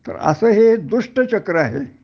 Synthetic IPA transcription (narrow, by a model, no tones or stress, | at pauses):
t̪ə̰ɾə̰səːɦed̪uʂʈət͡ɕəkɾəaɦe